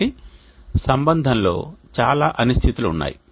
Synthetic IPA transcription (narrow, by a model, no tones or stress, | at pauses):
i | sɐmbɐnd̪ʱɐnlo̞̰ːt͡ʃaːlaːʔɐnust̪ʰit̪uluːnːa̰ːji